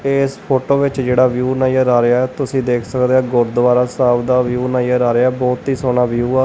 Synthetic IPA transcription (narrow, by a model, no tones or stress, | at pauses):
eːspʰoːʈoːʋɪt͡ʃd͡ʒeːɽaːʋjuːnaːijaːɾaːɾɪaːɛːt̪ʊsĩːd̪eːkʰsəkd̪eːãːɡʊɾd̪əʋaːɾaːsaːbd̪aːʋjuːnaːijaːɾaːɾɪaːbɔːt̪ɦiːsoːnaːʋjuːaː